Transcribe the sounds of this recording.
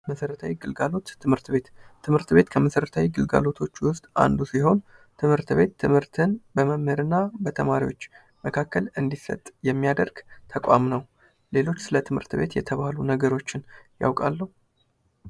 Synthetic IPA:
məsəɾət̪ʰawiɡɨlɡalo̞t̪ːɨmhɨɾt̪be̞t̪ːʰɨmhɨɾt̪be̞t̪kʰəməsəɾət̪ʰawiɡɨlɡa̰lo̞t̪ʰo̞t͡ʃːwʊst̪ʼa̰nd̪usiɦo̞n | t̪ʰɨmhɨɾt̪βe̞t̪ʰːɨmhɨɾt̪ʰɨnbəməmhɨɾɨnːabət̪ʰəmaɾḭwo̞t͡ʃː | məkʰakːəlɨnd̪isə̰t̪ʼjɛmːijad̪əɾɡ̥t̪ʰəkʷʼamnəw | le̞lo̞t͡ʃːsɨlət̪ʰɨmhɨ̰ɾt̪be̞t̪jɛ̰t̪ʰəβahlunəɡəɾo̞t͡ʃːɪnja̰wkʼalːəhu

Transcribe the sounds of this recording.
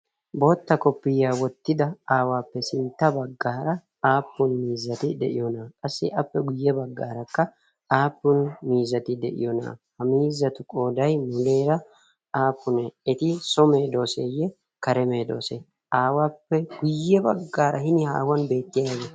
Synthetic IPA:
bo̞ːt̪ːɐkɔpːɪjːaːwɔt̪ːɪd̪ɐaːwaːpːɛsɪnt̪ːɐbɐɡːaːɾɐ | aːpːʊnmiːzːɐt̪ɪd̪ɛ̰ʔɪ̰jɔnakʼɐsːɪʔɐpːɛɡʊjːɛbɐɡːaːɾɐkːɐ | aːpːʊnmiːzːɐt̪ɪd̪ɛ̰ʔɪ̰jɔna̰ːhɐmiːzːɐt̪ʊkʼoːd̪ɐjmʊle̞ːɾɐ | aːpːʊnɛɛt̪ɪsɔme̞ːd̪o̞ːseːjɛ | kɐɾɛme̞ːd̪o̞̰ːsɛ | ʔaːwaːpːɛɡʊjːɛbɐɡːaːɾɐhɪnɪha̰ːwɐnbe̞ːt̪ːɪjaɐje

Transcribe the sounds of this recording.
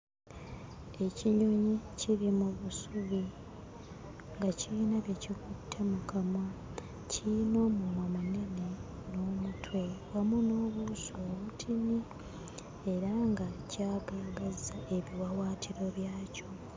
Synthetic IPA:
e̞ciɲuɲiciɾimuβusuβi | ŋɡaciiːnaβjecikutʰːe̞mukama | cʰino̞mumamane̞neno̞ːmutʰwewamuno̞ːβusoːβutʰini | e̞ɾaŋɡacaːɡaɡazae̞βiwawaːtʰiɾo̞βjaːco̞

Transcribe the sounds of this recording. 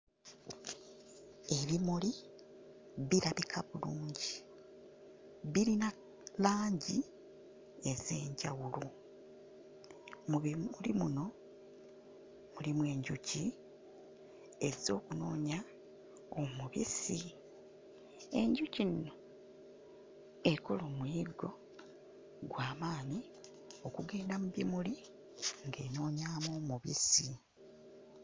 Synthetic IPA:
e̞βimuli | βiɾaβikʰaβuluːɲɟi | βiɾina | laːɲɟi | e̞ze̞ːɲɟawulo | ulḭmuno̞ | mulimwe̞ːɲɟuci | eɾizo̞ːkuno̞ːɲa | omuβḭsi | e̞ɲɟucinːo̞ | eko̞lo̞ːmwiːɡo̞ | ɡwaːmaːni | o̞kuɡe̞ːndamuβjimuli | ŋɡe̞ːno̞ːɲaːmoːmuβḭsi

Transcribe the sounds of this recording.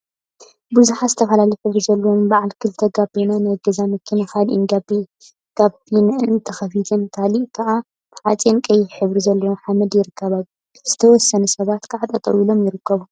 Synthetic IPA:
bɨzuħazɨt̪ʰɐfɐlaliħɨβɾizɐlːɐwombaʕalkʰɨlt̪ʰɐɡabenanɨɡɐzamɨkʰːɨnɨxalʔḭnɡabi | ɡ̥aβbinɨʔɨɨnt̪ʰɐxɐfit̪ʰɐmt̪ʰaliʔkʰɐʔa | b̥ɨħat͡sʼjenkʼɐjɪħɨβɾizɐlːɐwomħamɐd̪jɪɾɨkʰːɐβa | z̥ɨt̪ʰɐwɔsːɐnɐsɐβat̪kʰaʕat̪ʼɐt̪ʼɐ̰ʔilo̞mjɪɾɨkːɐβu

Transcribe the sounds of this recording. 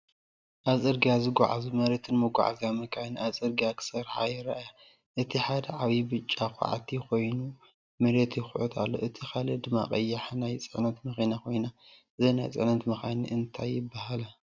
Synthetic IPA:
ʔaβzʼɨɾɡijazɨɡʷa̰ʕa̰zumɐɾet̪ʰɨnmɐɡʷa̰ʕa̰zamɐkʰajnasʼɨɾɡakʰɨ̥sɐɾħa̰jɪɾa̰ʔja | ʔɨt̪ʰiħad̪ɐʕaβibɨt͡ʃʼːakʼa̰ʕa̰t̪ʰixo̞jnu | mɐɾet̪ʰjɪxʊʕut̪ʰa̰lːo̞̰ʔɨt̪ʰikʰalɐd̪ɨma̰kʼɐ̰jːaħnajt͡sʼɨʕnɐt̪mɐxinakʰo̞jna | ɨzɐnajt͡sʼɨ̰ʕnɐt̪mɐxanḭʔɨnt̪ʰajːɪbːahala

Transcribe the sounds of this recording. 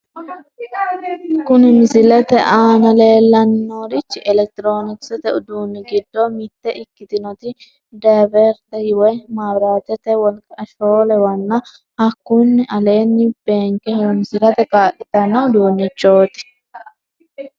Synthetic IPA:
kʊnɪmɪzɪlɛt̪ɛʔaːnɐle̞ːlːɐnːoːɾɪt͡ʃːɪʔɛlɛk̚t̪ɾo̞ːnɪsɛt̪ɛʊd̪uːnːɪɡɪd̪ːɔmɪt̪ːɛʔɪkːɪt̪ɪnɔt̪ɪ | d̪ɐbɛɾt̪ɛjɪwɛmaːbɾaːt̪ɛt̪ɛwɔlkʼɐʃoːlɛwɐnːɐ | hɐkːʊnːɪʔɐleːnːɪb̥eːŋkɛhmsɪlɐt̪ɛkʼaːʔɪt̪ɐnːɐwd̪uːnːɪt͡ʃːoːt̪ɪ̥

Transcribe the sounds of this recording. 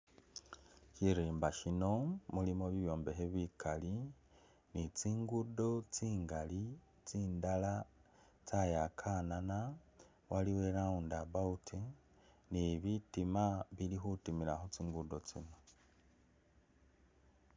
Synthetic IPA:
ʃiɾiːmbaʃino̞mulimo̞βiβjo̞ːmbeɦeβikʰali | nit͡siːŋɡudo̞t͡siːŋɡali | t͡siːndala | t͡sajakʰanana | waliwe̞laundaβautʰi | niβitimaβilixutimila̰xot͡siːŋɡudo̞t͡sḭno̞

